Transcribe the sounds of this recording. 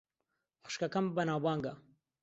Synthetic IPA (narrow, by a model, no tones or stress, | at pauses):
χʃkɐkɐmbɐnaːwbaːŋɡɐ